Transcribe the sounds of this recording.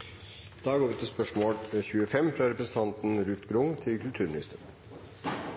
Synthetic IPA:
d̪̥ɑːɡoːɾʋɪt̪ʰɪlspœʂmoːlçʉːəfɛmːfɾɑɾɛpɾəsən̩t̪ʰɑnt̪n̩ɾʉːt̪ɡɾʊŋt̪ʰɪlkʰʉlt̪ʰʉːɾmɪnɪ̰st̪əɾ

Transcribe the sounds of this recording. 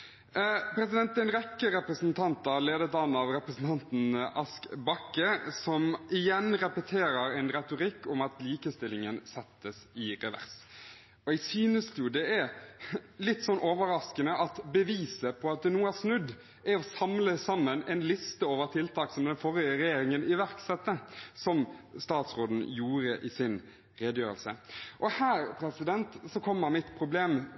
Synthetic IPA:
pʰɾɛsɪd̪ɛnt̪ɛnɾɛkːəɾɛpɾəsənt̪ʰɑnt̪ɑleːd̪ət̪ɑnːɑʋɾɛpɾəsn̩t̪ʰɑnt̪n̩ʔɑskbɑkːəsɔmɪjɛnɾɛpət̪ʰeːɾəɾɛnɾɛt̪ʊɾɪkːʊmɑt̪liːkəst̪ɪlːɪŋənsɛt̪ːəsɪɾɛʋæ̰ʁs | ɔɛɡsyːnəst̪jʊd̪ɛæɾ | lɪt̪ːsɔnːʔoːʋəɾɑskənəʔɑt̪bəʋiːsəpʰɔɑt̪̚d̪ɛnuːəæɾsnʉd̪ː | æɾɔsɑmləsɑmːənɛnlɪst̪əoːʋəɾt̪ʰɪlt̪ʰɑːksɔmd̪ɛnfɔɾjəɾɛjeːɾɪŋənʔɪʋæɾksɛt̪ːəsɔmst̪ɑːt̪sʁoːd̪n̩juːɾəʔɪsɪn | ʁeːd̪əjøːɾəlsə̰ʔɔhæːɾpʰɾɛsɪd̪ɛnt̪sɔkʰɔmːəɾmɪt̪pʰɾʊbleːm

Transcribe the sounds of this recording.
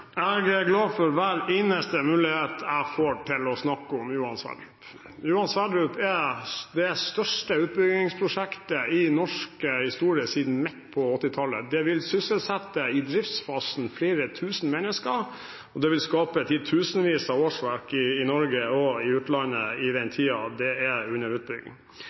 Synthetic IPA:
æɡəɡlɑːfɔɾʋæɾeːnəst̪əmʉːlɪheːt̪ʰæfoːʈʰɪlɔsnɑkːʊmjuːɑnsʋæ̰ːɖ̪ɾʉp | jʉːɑnsʋæd̪ɾʉːpɛd̪ɛst̪œʂʈəʉːt̪̚bʏɡɪŋspʰɾʊʂækt̪əɪnɔʂkəhɪst̪uːɾɪəsiːd̪n̩mɛt̪pʰɔɔt̪ːɪt̪ʰɑlə̰d̪ɛʋɪlsʏsəlsɛt̪ːəɪd̪ɾɪft̪sfɑːsn̩fleːɾət̪ʰʉːsn̩mɛnːəskəɾ | ɔd̪ɛʋɪlskɑːpət̪ʰɪt̪ʰʉːsnʋiːsɑoːʂʋæɾkɪːnɔɾɡəɔɪʉːt̪lɑnːəɪd̪ɛnt̪ʰiːɑd̪ɛɛʉnːəɾʉːt̪̚bʏɡɪ̰ŋ

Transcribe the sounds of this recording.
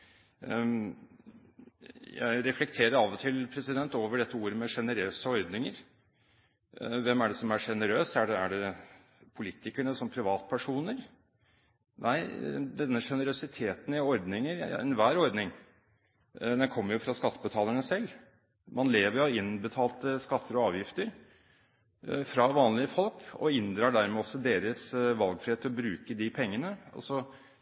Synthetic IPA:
jæ̰ɪɾɛflɛkt̪ʰeːɾəɾɑːʋɔt̪ʰɪlpʰɾɛsɪd̪ɛnt̪oːʋəɖɛt̪ːəuːɾəmɛʂɛnəɾøːsəɔɾd̪nɪŋəɾ | ʋɛmæɖɛsɔmæʂɛnəɾøːsæɖɛæ̰ɖɛ | pʰʊliːt̪ɪkəɳəsɔmpʰɾɪʋɑːt̪pʰæʂuːnəɾ | nʔæɪd̪ɛnːəʂɛnəɾʉsɪt̪ʰeːt̪nɪɔɾd̪nɪŋəɾɛ̰nʋæːɾɔɾd̪nɪŋ | d̪ɛnkʰɔmːəɾjʊfɾɑskɑt̪ːəbət̪ʰɑːləɳəsɛlː | mɑnleːʋəɾjʊɪnbət̪ʰɑːlt̪əskɑt̪ʰːəɾɔɑːʋjɪft̪əɾ | fɾɑʋɑːnlɪəfɔlkɔ̰ɪnd̪ɾɑːɖæɾmɛːɔsːɔd̪eːɾəsʋɑlɡfɾɪheːt̪ʰːɪlɔbɾʉːkəd̪ɪpʰɛŋːənəɔ̰sɔ

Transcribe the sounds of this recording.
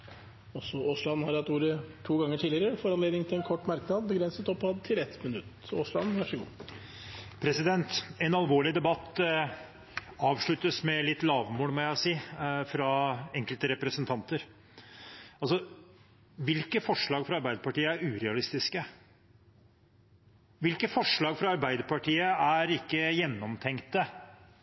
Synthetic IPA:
ɔsɔoslɑnhɑɾɑt̪uːɾət̪ʰuːɡɑŋːəʈʰiːlɪəɾəɾəfɔɾɑnleːd̪nɪŋt̪ɪlɛnkʰɔʈːmɑɾknɑːd̪̚bəɡɾɛnsət̪ɔpːɑd̪t̪ʰɪlɛt̪mɪnʉt̪ː | oslɑ̰nʋæʂəɡṵː | pʰɾɛsɪd̪ɛnt̪ɛnɑlʋoːɭɪd̪ɛbɑt̪ː | ɑːʋʂɭʉt̪ːəsmɛlɪt̪ːlɑːʋmoːlmɔjæɪsiːfɾɑɛŋkəlt̪əɾɛpɾəsənt̪ʰɑnt̪əɾ | ɑlsɔ | ʋɪlkəfɔʂɭɑːɡfɾɑɑɾbæɪd̪əɾpɑʈiːəæɾʉːɾɛɑlɪst̪ɪskə | ʋɪlkəfɔʂɭɑːɡfɾɑɑɾbæɪd̪əɾpɑʈʰiːəæɾɪkːəjɛnːɔmt̪ʰɛŋkt̪ə

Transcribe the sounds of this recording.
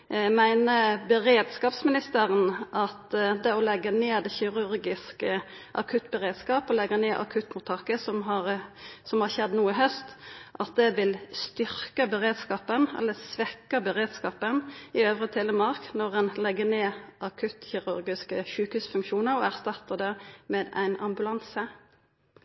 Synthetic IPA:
mæɪnəbəʁeːd̪skɑːpsmɪnɪst̪əɾənʔɑt̪d̪ɛɔlɛɡːəneːd̪ɛçɪʁʉɾɡɪskə | ʔɑ̰kʰʉt̪ːbəʁeːd̪skɑːpɔlɛɡːɑneːʔɑ̰kʰʉt̪ːmʊt̪ʰɑkəsɔmɦɑʁsɔmhɑçɛd̪ːnuːɪɦœst̪ʔɑt̪̚d̪ɛʋɪlst̪ʏɾkəbəʁeːd̪skɑːpənɛ̰lːəsʋɛkːəbəʁeːd̪skɑːpənɪøːʋʁət̪ʰhɛlːəmɑʁknɔʁɛnlɛɡəneːʔɑkʰʉt̪çɪʁʉɾɡɪskəʃʉːkhʉːsfʉŋkʃuːnəɾɔæʁst̪ɑt̪ːəd̪ɛmeːd̪æ̰ɪnɑ̰mbʉlɑnsə

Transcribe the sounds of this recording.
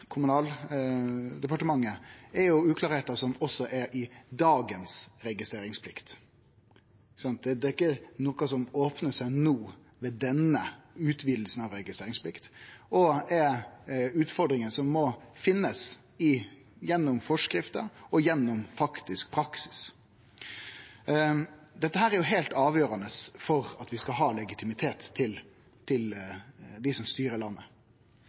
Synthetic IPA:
kʰʊmʉnɑːl | d̪ɛpɑʈəmɑŋːəɛɾjʊʉːklɑːɾheːt̪əsɔmɔsːɔʔɛɾʔɪd̪ɑːɡənsɾɛɡɪst̪ɾeːɾɪŋspʰlɪkt̪ | sɑnt̪̚d̪ɛd̪ɛɪkːənoːkɑsɔmoːpnəsæɪnoː | ʋɛːd̪ɛnəʉːt̪ʰʋiːd̪l̩sn̩ɑʋɾɛɡɪst̪ɾeːɾɪŋspʰlɪkt̪ɔɛɾʉːt̪fɔɾd̪ɾɪŋənsɔmːɔfɪnːəs | ɪ | jɛnːʊmfɔʂkɾɪft̪əɔjɛnːʊmfɑkt̪ɪsk̚pʰɾɑksɪ̥s | d̪ɛt̪ːəhæːɾæɾjʊɦælt̪ɑːʋjøːɾɑnəsfɔɾɑt̪ʋɪskɑɦɑːlɛɡɪt̪ʰɪmɪt̪ʰeːt̪ʰːɪl | t̪ʰːɪld̪ɪsɔmst̪yːɾəɾɭɑnːə

